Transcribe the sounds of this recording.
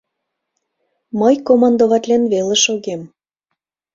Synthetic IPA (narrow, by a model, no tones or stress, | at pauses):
mɤjkomɑnd̪oβɑt̪lʲenβelĕʃoɣem